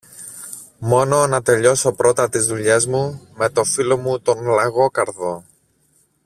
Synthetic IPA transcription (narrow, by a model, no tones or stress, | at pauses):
mo̞no̞nɐt̪e̞ʎo̞so̞pɾo̞t̪ɐt̪izðuʎe̞zmume̞t̪o̞filo̞mut̪o̞nlɐɣo̞kɐɾðo̞